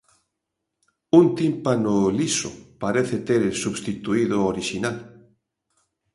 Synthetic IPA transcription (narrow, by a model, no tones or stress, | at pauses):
unt̪impanʊlisʊ̰paɾeθet̪eɾsuβst̪it̪uiðʊoɾiʃinal